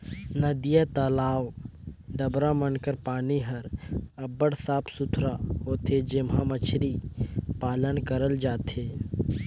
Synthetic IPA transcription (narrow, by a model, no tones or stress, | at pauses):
nəd̪ijat̪alaːwd̪əbɾamənkəɾpaːniɦɐɾɐbəɽsaːpʰsʊt̪ʰɾaɦoːt̪ed͡ʒɪmɦãmət͡ʃʰɾipaːlənkəɾəld͡ʒaːt̪eː